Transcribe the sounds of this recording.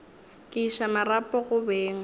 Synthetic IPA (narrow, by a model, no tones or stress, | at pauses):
kʼɪiʃamarapʼɔɣʊbeːŋ̩